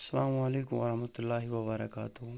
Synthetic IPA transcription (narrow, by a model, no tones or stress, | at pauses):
sɐlaːmɐleːkʊmʋɐɾɐhmɐt̪ʊlːaːɦiwɐbɐɾɐ̰kaːt̪ʊɦʊ